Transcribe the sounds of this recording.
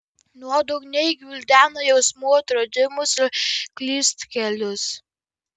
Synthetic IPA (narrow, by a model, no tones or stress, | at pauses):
nuɔd̪ɔɡnʲɛɪɡʲʋʲɪlʲd̪ʲæːnɐjɛʊsmuːt̪ɾod̪ʲɪmʊsɪɾklʲiːst̪kʲɛlʲʊs